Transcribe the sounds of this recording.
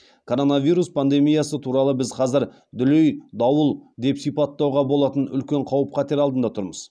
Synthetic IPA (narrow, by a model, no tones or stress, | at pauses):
kʰo̞ɾo̞navijɾuspʰand̪e̞mijasət̪ʰuɾɑlˠəbɪzqʰɑzɪɾ | d̪ʏlejd̪ɑwəlˠd̪e̞psijpɑt̪ːɑwʁɑbo̞lˠɑt̪ənʏ̰lkʲe̞ɴqʰɑwəp̚qʰɑt̪e̞ɾɑlˠd̪ənd̪ɑt̪ʰʊɾməz̥